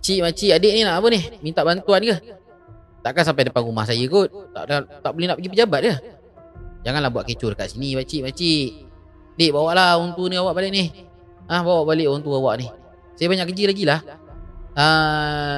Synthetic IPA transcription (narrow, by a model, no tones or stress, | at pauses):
at͡ʃiʔmat͡ʃiadeʔninaʔapənɪhmint̪aʔbant̪uankəh | t̪aʔkans̬ampajdapanuma̰hsajəkʊt̪̚t̪a̰ʔat̪aʔbolenaʔpəɡipəd͡ʒabat̪̚dəh | d͡ʒaŋanlahbuaʔket͡ʃʊdəka̰ʔsinibat͡ʃiʔmat͡ʃi | adeʔbawaʔlaunt̪uniawaʔbalɪʔnɪh | əhbawaʔbaleʔunt̪uawaʔnih | sajabaɲaʔkəd͡ʒilaɡilah | ə